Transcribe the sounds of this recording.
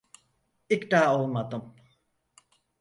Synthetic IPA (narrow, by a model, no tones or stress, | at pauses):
ikd̪aːolˠmad̪ɯm